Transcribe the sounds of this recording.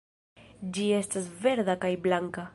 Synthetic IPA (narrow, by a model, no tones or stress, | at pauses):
d͡ʒie̞stasve̞ɾd̪akajblaŋka